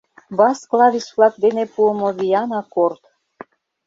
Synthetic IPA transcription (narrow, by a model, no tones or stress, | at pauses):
bɑsklˠɑβisβlɑk̚d̪enepuəmoβiɑnɑkort̪